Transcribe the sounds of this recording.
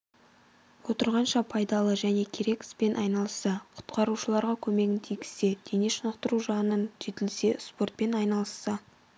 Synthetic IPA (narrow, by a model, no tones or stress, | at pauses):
wo̞t̪əɾʁɑnʃɑpʰɑjd̪ɑlˠəʒæne̞kʲʰe̞ɾe̞kʲɪ̥spe̞nʔɑjnɑlˠəsːɑqʰʊ̥t̪qɑɾuʃəlˠɑɾʁɑkʲʰɵme̞ɡʲɪnt̪ʰijɡʲɪ̥se̞d̪̥e̞ne̞ʃənəqt̪əɾuʒɑnənʒe̞t̪ɪlse̞spo̞rt̪̚pe̞nɑjnɑlˠəsːɑ